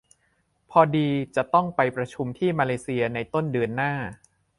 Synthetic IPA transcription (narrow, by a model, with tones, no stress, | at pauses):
pʰɔː˧diː˧t͡ɕa˨˩ʔt̪ɔ˥˩ŋpa˧jpɾa˧t͡ɕʰu˧mt̪ʰiː˥˩maː˧leː˧si˧ɐna˧jt̪o˥˩ndɯ˧ənːaː˥˩